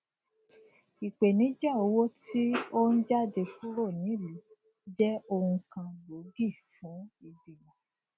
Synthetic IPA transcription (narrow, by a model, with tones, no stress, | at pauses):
i˨k͡pe˨nĩ˨˦d͡ʒa˦˨o˨˧˦wo˦ti˦o˦n̩˦d͡ʒa˦˨de˧ku˦ɾo˦˨nĩ˨˦˨li˨˦ | d͡ʒɛ˦o˧hũ˧kã˧lo˨˦ɡi˦˨fũ˨˦i˧bi˨lã˨